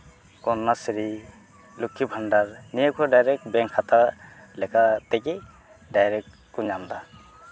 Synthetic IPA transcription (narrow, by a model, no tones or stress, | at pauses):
kɔnːasɾi | lukʰːibʰʱandaɾnijakʰuɾɔdajɾɛk̚bɛŋkʰːat̪alɛkʰat̪ɛkɛ | dajɾɛk | kːuɲamd̪a